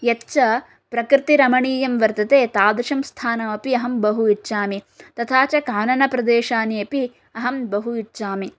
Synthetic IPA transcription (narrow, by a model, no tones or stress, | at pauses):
jɐtːt͡ʃɐ | pɾɐkɾɪt̪iɾɐmɐɳiːjɐmʋɐɾt̪ɐt̪eːt̪aːd̪ɐʃɐmst̪ʰaːnɐʋɐpiɐɦɐmbɐɦuitːʃaːmi | t̪ɐt̪ʰaːt͡ʃɐkaːnɐnɐpɾɐd̪eːʃaːniɐpi | ɐɦɐmbɐɦuitːʃaːmi